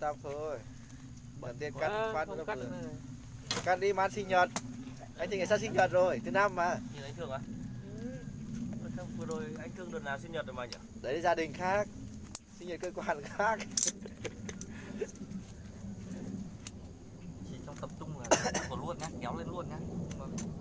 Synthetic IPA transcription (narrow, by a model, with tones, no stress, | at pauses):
t̪a˧˩p̚t̪ʰo˧j | kaː˨˩t̪i˦˥ətka˧˥˧waː˧˩n˧˦˧ | ka˧˩ɗi˧maː˨˧sï˧ŋɲə˨˩t̚ | ʔa˧jt̪ʰɨ˨ŋː˨˩sa˧˥sï˧ŋɲə˨˩t̚zo˨˩jt̪ʰɨ˨˩˦na˧mːaː˨˧˩ɲi˨˩nʔa˧˦j̟t̪ɨ˨˩əŋʔa˨˩ | ə˧˨˩ta˧ŋ͡mvɨ˧əɗo˨˩jʔa˧jŋ̟t̪ɨ˧əŋɗɨ˨əknaː˨˩wsi˧ŋɲə˨˩t̚o˨˩ma˨˧˦ŋɔ˧˩ɗə˨˦jla˨˧˦zaː˧ɗï˨˩ŋ̟xaː˦˥k̚si˧ŋɲɔ˨˩t̚kəː˧kwaː˨˩nxaː˦˥k̚ | t͡ɕi˧˩t͡ɕɔ˧wŋ͡mt̪ə˨˩p̚t̪ʊ˧ŋ͡maː˨˩˧kɔ˧˩˨lu˧ənkaː˧ŋɛ˨˦wle˧nlu˧ənkaː˧˥˧